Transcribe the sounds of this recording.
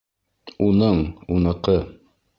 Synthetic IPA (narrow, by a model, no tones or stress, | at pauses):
unɤɴunɤ̆qɤ